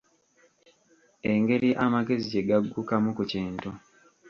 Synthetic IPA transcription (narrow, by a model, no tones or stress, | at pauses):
e̞ŋɡe̞ɾiʔamaɡe̞ziɟe̞ɡaɡːukamukuciːntu